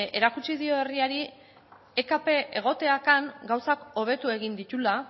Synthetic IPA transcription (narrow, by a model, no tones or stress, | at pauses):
e̞ɾakut͡ʃiðio̞eriaɾi | ekape̞ʔeɣ̞o̞t̪e̞akaŋɡawsako̞β̞e̞t̪ue̞ɣind̪it̪ula